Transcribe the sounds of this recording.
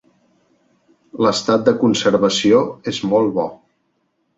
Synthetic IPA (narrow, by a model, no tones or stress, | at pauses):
ləst̪at̪̚d̪əkunsəɾβəsioezmolˠβɔ